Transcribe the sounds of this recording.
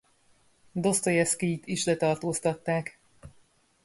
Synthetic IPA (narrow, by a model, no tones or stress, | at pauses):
d̪o̞st̪ojɛskiit̪iʃlɛt̪ɒrt̪oːst̪ɒt̪ːaːk